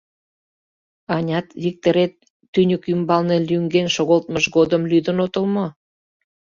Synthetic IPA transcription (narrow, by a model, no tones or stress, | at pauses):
ɑnʲɑt̪βik̚t̪əɾet̪ː | ynʲəkymbɑlnelʲyŋɡenʃoɣolt̪məʃɡod̪əmlyd̪ənot̪əlmo